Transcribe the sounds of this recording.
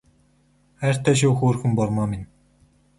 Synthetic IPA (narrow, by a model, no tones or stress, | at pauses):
ær̥ʲt̪ʰːæːʃ̬uːxuːrxɘ̆mpɔrmaminʲ